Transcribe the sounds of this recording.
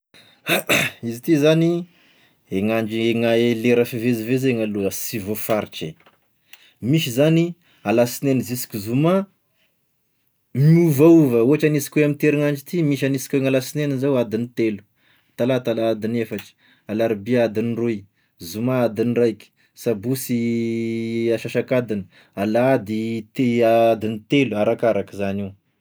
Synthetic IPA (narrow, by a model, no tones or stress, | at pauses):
izit̪izani | eŋaɳd͡ʒieŋaeleɾafivezivezeŋaluəsivofaɾiʈ͡ʂe | miʃizani | alasinenizisi̥kʲuzuma | muvauvəuɦaʈ͡ʂanisi̥kʲeamint̪eɾiŋaɳd͡ʒit̪imiʃ̬anisi̥kʲoeŋalasinenizawad̪init̪elu̥ | t̪alat̪alaːd̪inefaʈ͡ʂə̥ | alaɾibiad̪iniruj | zumaad̪inrajkʲi̥ | sabusi | aʃaʃakad̪inə̥ | alad̪it̪ead̪init̪eluaɾakaɾakizani